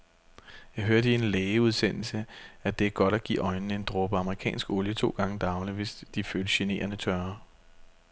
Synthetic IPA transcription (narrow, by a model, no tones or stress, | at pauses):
jɑ̈ɪɦøɐdəie̝nleːəuð̞ˠsen̰l̩səæd̥e̝æɐɡ̥ɒ̽dɾ̥æɡ̥ḭːɒ̽ɪnn̩e̝nd̥ʁob̥əɑ̈məʁikʰɛ̰ːnsɡ̥ɔ̽ljət͡sʰo̝̰ːɡ̥ɑ̈ŋəd̥ɑ̈ʊliʋe̝sd̥iføːləɕe̝ne̝̰ːɐnət͡sʰɶɐ